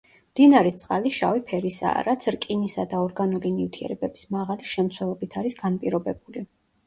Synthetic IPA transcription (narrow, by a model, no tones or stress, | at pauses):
md̪̥inaɾɛst̪sʼqʼaliʃavipʰɛɾisa̰ːɾat̪sʰɾkʼinisad̪aɔɾɡanulinift̪ʰiɛ̰ɾɛbɛbismaʁaliʃɛmt̪sʰwɛlˠɔbit̪ʰaɾisɡanpʼiɾɔbɛbuli